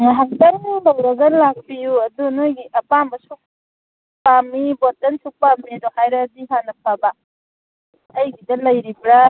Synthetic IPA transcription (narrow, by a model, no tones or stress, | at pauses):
ŋaɦaŋ̚tɐɾnibawɾɐɡɐnlak̚pijuɐdunojɡiʔɐpambɐsuk̚ | pamːibotɐnsuk̚pamiɐdohajɾɐdiɦanɐp̚ʰaba | jɡidɐlɐjɾipɾa